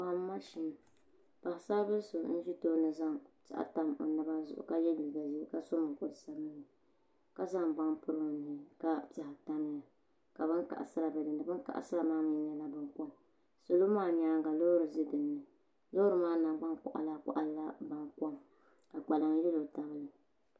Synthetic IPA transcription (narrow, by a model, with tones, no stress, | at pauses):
a˨˦m˦ma˦ʃi˦m˨ | pa˨ɪ˨sa˦bɨ˦lso˨n̩˦ʒi˦toː˦nɨ˨za˦ŋt͡ʃa̰˦ʔa̰˦ta˨mo̰˨nɨ˦ba˦zʊ̰˨ʔʊ̰˨ka˦jɛ˦li˨ɡa˨zi˦ka˦so˦mɨ˨ko˦dɨ˨sa˦mɨ˦nɨ˨ | ka˦za˦ŋba˦ŋpʊ˦ɾɨ˨nɨ˨ɪ˨ka˦ta˨ha˨ta˦mɨ˦ja˨ | ka˨bɨ˦ŋka̰˨ʔa̰˨sɨ˦ɾa˨bɛ˨dɨ˨ndɨ˨bɨ˦ŋka̰˨ʔa̰˨sɨ˦a˨maː˦m˨ɛ˦˨ɲa˨la˦bɨ˨ŋkɔ˦m | sʊ˨lo˦maː˦˨ɲaː˦ŋ˦ɡa˨lo˦ʊ˦ɾɨ˨zɨ˦dɨ˨nːɨ˨ | lo˦ʊ˦ɾɨ˨maː˦na˨˦ɡ͡ba˦ŋkʊ̰˨ʔa̰˨la˨˦˨kʊ̰˦ʔa˨lla˦ba˨ŋkɔ˦m | ka˨k͡pa˨la˨ŋ˦jɛ˦lo˨ta˨bɨ˦lɨ˨